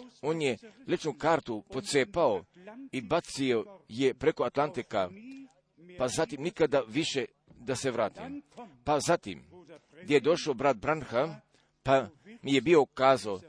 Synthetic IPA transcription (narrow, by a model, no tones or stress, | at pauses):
oːnjelet͡ʃnukaːɾt̪upo̞t̪seːpao̞ibat̪sio̞je̞pɾe̞koat̪lˠant̪ika | pazat̪imnikad̪aʋiʃe̞ | d̪ase̞ʋɾaːt̪ḭmpazat̪ḭm | ɡd̪jeje̞d̪o̞ʃaobɾad̪̚bɾanxa | pamije̞bio̞kaːzao